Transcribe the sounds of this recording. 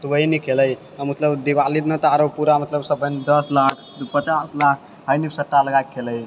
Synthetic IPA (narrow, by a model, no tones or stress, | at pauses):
t̪wəɦinikʰeləj | əmət̪ləbd̪iʋalid̪nət̪aɾopuɾamət̪ləbsəbənd̪əslakʰpət͡ʃaslakʰ | həjnipsəʈːaləɡajkʰːeləj